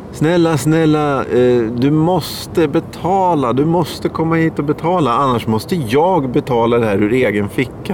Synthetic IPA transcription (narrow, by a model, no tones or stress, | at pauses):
snɛlːasnɛlːa | d̪ɵmɔs | t̪əbɛt̪ʰɑːlad̪ɵmɔst̪əkʰɔmːahiːt̪ɔbɛt̪ʰɑːlaanːaʂmɔst̪əjɑːɡbɛt̪ʰɑːlad̪ɛɦæːɾɵɾeːɡənfɪkːa